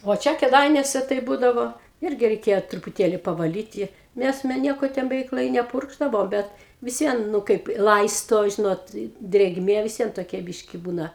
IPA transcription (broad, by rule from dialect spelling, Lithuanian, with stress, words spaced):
ʋoː ˈt͡ʃʲɛ kʲeːˈdɐɪnʲuɔsʲɛ tɐɪ ˈbuːdɐʋoː ˈɪrʲɡʲɪ rʲɛɪˈkʲeːjoː trʊpʊˈtʲeːlʲɪ pɐʋɐˈlʲiːtʲɪ ˈnʲɛs mʲɛ ˈnʲiɛkoː ˈtʲɛn bʲɛˈʋʲɛɪk lˠɐɪ nʲɛˈpʊrɡʒdɐʋoː ˈbʲɛt ʋʲɪs ˈʋʲiɛn ˈnʊ kɐɪp ɪ ˈlˠɐɪstoː ˈʒʲɪnoːt ɪ dʲrʲeːɡˈmʲeː ʋʲɪs ˈʋʲiɛn toːˈkʲɛ ˈbʲɪʃʲkʲɪ ˈbuːnɐ